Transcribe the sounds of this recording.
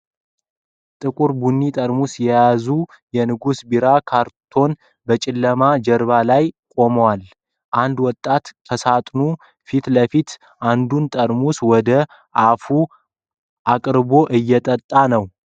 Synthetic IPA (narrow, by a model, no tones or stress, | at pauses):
t̪ʼɨkʼuɾbunːit̪ʼəɾmusjɛjazu | jɛnɨɡusbiɾakʰaɾt̪ʰo̞n | bət͡ʃʼɪlːəmad͡ʒɛɾβalajkʼo̞məwal | ʔand̪wɔt̪ʼːat̪kʰəsat̪ʼnu | fit̪ləfit̪ | ʔand̪unt̪ʼəɾmuswɔd̪ə | ʔafu | ʔakʼɾbo̞ʔɨjːɛt̪ʼət̪ʼːanəw